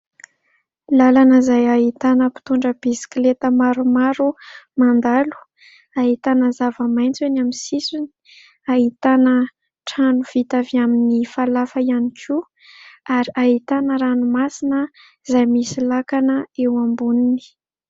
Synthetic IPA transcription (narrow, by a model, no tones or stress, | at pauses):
lalanəzajaɦit̪anəpi̥t̪uɳɖ͡ʐəb̥isi̥klet̪əmaɾumaɾumand̪alu̥ | aɦit̪anəzavəmajnt͡senamisisuni̥ | aɦit̪anə | ʈ͡ʂanuv̥it̪aviaminifalafəianikʰu | aɾiaɦit̪anəɾanumasinə | zajmisilakanəewambunini̥